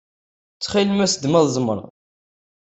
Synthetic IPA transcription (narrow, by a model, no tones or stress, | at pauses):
t͡sːχilmæsəd̪mæðˤzˤmə̰ɾˤ